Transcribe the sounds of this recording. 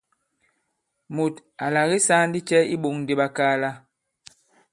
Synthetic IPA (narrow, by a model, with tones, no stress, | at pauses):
mu˨t | a˨la˨ɣi˦sa˦n˦di˦t͡ʃɛ˦ḭ˦ɓo˨ŋn˨di˦ɓa˦kaː˦la˦